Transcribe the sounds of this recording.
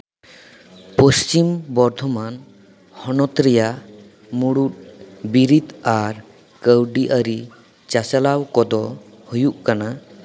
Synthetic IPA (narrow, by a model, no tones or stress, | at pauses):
pɔst͡ʃimbɔɾd̪ʱɔman | hɔnɔt̪ɾɛja | muɽut̪̚biɾit̪aɾ | kəwɖiʔəɾi | t͡ʃat͡ʃalawkɔd̪ɔ | hujuʔkana